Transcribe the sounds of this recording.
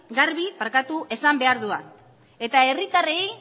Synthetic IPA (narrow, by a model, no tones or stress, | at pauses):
ɡaɾβipaɾkat̪uʔe̞sambe̞aɾðuan | e̞t̪ae̞rit̪arej